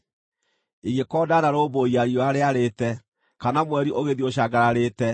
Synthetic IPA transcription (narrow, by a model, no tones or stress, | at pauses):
iɣekɔːdanaɾoːboiaɾiɔaɾeaɾeːtɛ | kanamwɛɾiʔoɣeðioɕaɡaɾaɾeːtɛ